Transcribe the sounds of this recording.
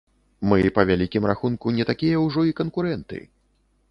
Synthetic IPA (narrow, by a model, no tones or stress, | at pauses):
mɨpɐvʲalʲikʲimraxunkunʲɛt̪akʲijɐwʐɔikɐnkuɾɛnt̪ɨ̰